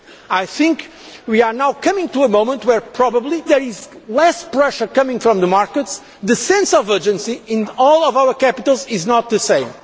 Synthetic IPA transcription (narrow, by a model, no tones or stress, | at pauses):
ajθɪ̃ŋk | wiaɹnawkʰʌmɪ̃ŋtuəmõʊ̃mə̃ntwɛɹpʰɹɔbəblˠiðɛɹɪzlɛspɹɛʃə˞kʌ̃mɪ̃ŋfɾɔ̃mðəmaɹkəts | ðɨsɛ̃nsɔvɜd͡ʒɨ̃nsiɪ̃nɔlˠɔvawə˞kæpit̪əlˠzɪznɔt̪̚ðɨsẽɪ̃m